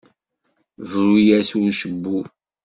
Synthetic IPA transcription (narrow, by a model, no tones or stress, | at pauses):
vɾijæsuʃəbːu